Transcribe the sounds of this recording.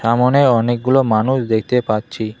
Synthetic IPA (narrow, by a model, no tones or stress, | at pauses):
ʃamoneɔnek̚ɡulomanuʃd̪ek̚ʰt̪epatːɕʰi